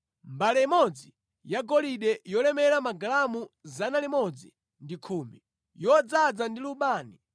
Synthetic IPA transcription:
mbalɛimɔd͡zi | jaɡɔliɗɛjɔlɛmɛɾamaɡalamuzanalimɔd͡zi | ndikʰuːmbi | jɔd͡zad͡zandiluɓaːni

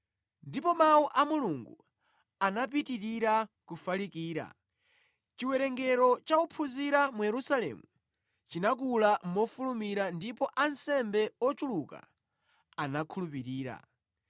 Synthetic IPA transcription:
ndipɔmawuʔamuluŋɡṵ | anap̬itiɾiɾakufalikiːɾa̰ | t͡ʃiwɛɾɛŋɡɛɾɔt͡ʃaupʰuziɾamujɛɾusalɛ̰mu | t͡ʃinak̬ulam̩mɔfulumiɾandipɔʔansɛmbɛɔt͡ʃuluka̰ | anakʰulupiɾiːɾa̰

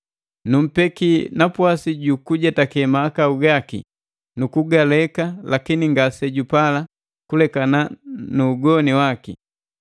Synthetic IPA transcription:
num̩pɛkinapwasiɟukuɟɛtakɛmaːkauɡakḭ | nukuɡalɛkalakiniŋɡasɛɟupala | kulɛkananuːɡɔniwakḭ

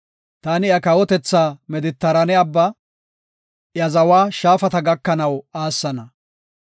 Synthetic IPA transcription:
t̪aːnɪjɐkɐwɔt̪ɛt͡sːaːmɛd̪ɪt̪ːɐɾɐnɛɐbːɐ | jɐzɐwaːʃaːfɐt̪ɐɡɐkːɐnɐwaːsːɐnɐ

